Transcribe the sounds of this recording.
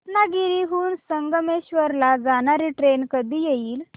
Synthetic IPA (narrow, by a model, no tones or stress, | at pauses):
naɡiɾiɦuːnsəŋɡəmeɕʋəɾlad͡zañaɾiʈɾenkəd̪ʱiːjeiːl